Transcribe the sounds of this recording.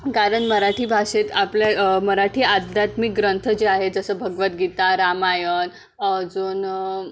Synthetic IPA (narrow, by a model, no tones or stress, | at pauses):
kaɾəɳməɾaʈʰiːbʱaʂet̪apljaməɾaʈʰiːad̪jat̪mik̚ɡɾənt̪ʰəd͡ʑeaɦed͡zəsəːbʱəɡʋət̪̚ɡit̪aɾamajən | d͡zoːn